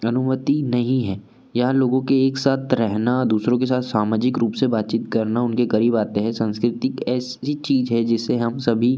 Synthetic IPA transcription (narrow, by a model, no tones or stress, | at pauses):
ɐnʊmət̪inɐɦĩɦɛː | jɐɦãloːɡõkeeːksaːt̪ʰɾɛɦnaɔd̪uːsɾõkesaːt̪ʰsaːmaːd͡ʒɪkɾuːpsebaːt̪̚t͡ʃiːt̪kɐɾnaʊnkeɣɐɾiːbaːt̪eɦɛ̃sɐ̃nskɾɪt̪ɪkɛːsit͡ʃiːzɦɛd͡ʒɪsːeɦɐmsɐbʱi